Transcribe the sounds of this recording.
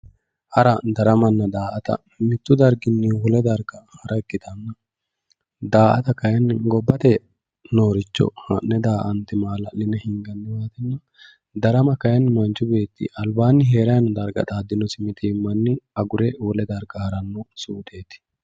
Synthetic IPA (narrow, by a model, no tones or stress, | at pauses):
ʔɐɾɐd̪ɐɾɐmɐnːɐd̪aːʔɐt̪ɐ̰ | mɪt̪ːʊd̪ɐɾɡɪnːɪwɔlɛd̪ɐɾɡɐhɐɾʔɐɛkːɪd̪ɐnːɐ | d̪aːʔɐ̰t̪ɐkɐjɐnːɡɔbːɐt̪ɛ | no̞ːɾɪt͡ʃːɔ̰hɐ̰nnːɛd̪aːʔɐnt̪ɪmaːlɐ̰lɪnːɛhɪŋɡɐnd̪ɪwaːt̪ɪnːɐ | d̪ɐɾɐmɐkɐjɐnːɪmɐnt͡ʃːʊbe̞ːt̪ːɪ̰ʔɐlbaːnːɪɦe̞ːɾɐjɐnɔd̪ɐɾɡɐ̰ᶑ̪aːd̪ːɪnɔsɪmɪt̪iːmːɐnːɪɐɡʊɾɛwɔlɛd̪ɐɾɡɐhɐɾɐnːɔsuːd̪e̞ːt̪ɪ̥